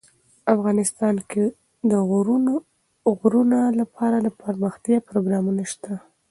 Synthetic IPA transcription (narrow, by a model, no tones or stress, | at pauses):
afɣɑnɪst̪ɑnke | d̪əɣɾu | ɣɾunalapʰɑɾalapəɾməxt̪jɑpɾoɡɾɑmunaʃt̪a